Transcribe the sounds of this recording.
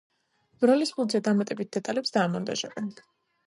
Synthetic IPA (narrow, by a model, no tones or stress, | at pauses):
b̥ɾɔlisbuld̪zɛd̪amat̪ʼɛbit̪̚d̪̥ɛt̪ʼalɛpsd̪aːmɔnd̪a̰ʒa̰bɛn